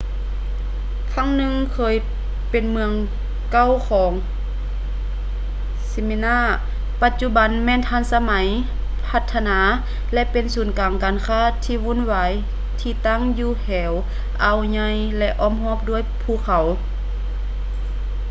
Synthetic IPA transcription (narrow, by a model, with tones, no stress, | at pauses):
kʰa˧˥˨ŋnɯ˧ŋkʰɤː˧j | pe˨nmɯ˧əŋ | ka˧˥˨wkʰɔː˨˧˦ŋ | si˧mi˧˨naː˧˥˩ | pa˧t̪̚t͡ɕu˧ba˨˦nmɛː˧˨nt̪ʰaː˧˥˨nsa˧ma˨˦j | pʰa˧t̪ʰːa˧naː˨˧˦ | lɛ˧ʔpe˨nsuː˨˦nkaː˨ŋkaː˨nkʰaː˧˥˩t̪ʰiː˧˨wuː˧˥˨nwaː˨˧j | t̪ʰiː˧t̪a˥˨ŋjuː˧hɛː˨˦w | ʔa˨˩wɲa˧j | lɛ˧ʔɔː˧˥˨mhɔː˧˩p̚du˧˩əjpʰuː˧˩˨kʰa˨˦w